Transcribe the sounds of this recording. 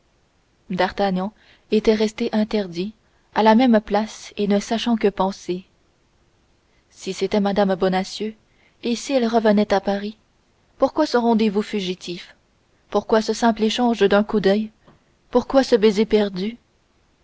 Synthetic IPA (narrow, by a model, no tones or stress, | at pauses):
d̪aʁt̪aɲɑ̃ | et̪ɛʁɛst̪eʔɛ̃t̪ɛʁd̪i | alamɛmplasenəsaʃɑ̃kəpɑ̃se | siset̪ɛmad̪ambɔnasjø | esiɛlʁəvənɛt̪apaʁi | puʁkwasɔʁɑ̃d̪evufyʒit̪ʰif | puʁkwasəsɛ̃pleʃɑ̃ʒd̪œ̃kud̪œj | puʁkwasəbezepɛʁd̪y